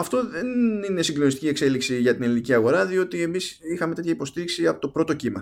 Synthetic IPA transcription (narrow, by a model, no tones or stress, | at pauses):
ɐft̪o̞ðe̞nine̞siŋɡlo̞nist̪cie̞kse̞liksiʝɐt̪ineliniciɐɣo̞ɾɐðio̞t̪ie̞misixɐme̞t̪e̞t̪çɐipo̞st̪iɾiksiɐpot̪opɾo̞t̪o̞cimɐ̰